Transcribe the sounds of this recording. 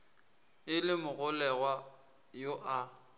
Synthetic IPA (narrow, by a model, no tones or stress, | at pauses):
ɪlɪmʊɣʊlɛɣwa | joʔa